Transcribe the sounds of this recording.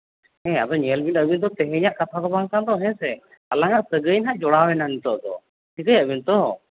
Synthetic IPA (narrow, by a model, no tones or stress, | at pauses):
hɛ̃ad̪ɔɲɛlbinəbind̪ɔt̪ɛɦɛɲaʔkat̪ʰad̪ɔbaŋkand̪ɔɦɛ̃sɛ | alaŋaʔsəɡəjnɦaʔd͡ʒɔɽawɛnanit̪ɔʔd̪ɔ̰ | sikəjaʔbint̪ɔ